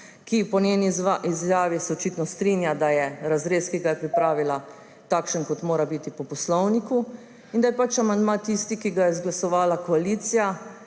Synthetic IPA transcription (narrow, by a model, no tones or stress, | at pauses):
kipɔneniizjaːʋisɛɔt͡ʃiːt̪nɔst̪ɾinjad̪ajɛɾazɾeːskiɡajɛpɾipɾaːʋila | t̪aːkʃənkɔt̪moːɾabit̪ipɔpɔslɔwniku | ind̪ajɛpat͡ʃamand̪mat̪ist̪ikiɡajɛzɡlasɔʋaːlakɔaliːt̪sija